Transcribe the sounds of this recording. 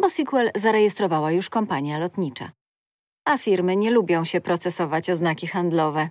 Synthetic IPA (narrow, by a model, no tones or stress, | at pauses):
bɔsʲikwɛlzaɾɛjɛst̪ɾɔvawajuʂkɔmpaɲjalɔt̪ɲit͡ʂa̰ | afʲiɾmɘɲɛlubʲjɔ̃w̃ɕɛpɾɔt̪sɛsɔvat͡ɕɔznakʲixand̪lɔvɛ